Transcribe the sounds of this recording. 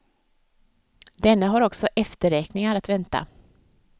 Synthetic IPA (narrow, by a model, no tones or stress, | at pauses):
d̪ɛnːəɦaɾɔksɔʔɛft̪əɾɛːknɪŋaɾat̪vɛnt̪a̰